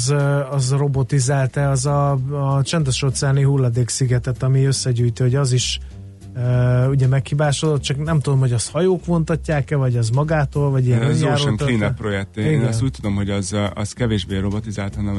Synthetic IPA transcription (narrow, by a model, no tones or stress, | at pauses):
zɒzro̞bo̞t̪izaːlt̪ɛɒzɒt͡ʃɛnd̪ɛʃo̞t̪saːniɦulːɒd̪eːksiɡɛt̪ɛt̪ɒmiø̞sːɛɟyːjt̪iho̞ɟɒziʃ | øuɟɛmɛkhibaːʃod̪ot̪̚t͡ʃɒknɛmt̪ud̪o̞mhoɟɒst̪hɒjoːkʋo̞nt̪ɒcːaːkɛvɒɟɒzmɒɡaːt̪oːlvɒɟijɛnaoːɾʃɛniːnɛpro̞jɛk̚t̪eeeːnɛst̪uːc̚t̪ud̪o̞mɦoɟɒzɒ̰zkɛveːʒbeːɾo̞bot̪izaːlt̪hɒnɛm